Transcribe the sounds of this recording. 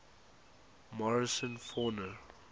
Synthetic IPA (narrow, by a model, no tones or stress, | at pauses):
mɔɹɪsə̃nfɔnə